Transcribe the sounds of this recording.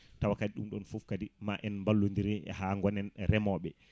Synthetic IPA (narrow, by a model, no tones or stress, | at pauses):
tawakadiɗumɗɔnfufkadimaʔɛnmbalːondiɾɛɛ̰haŋɡɔnɛnɾɛmɔɓɛ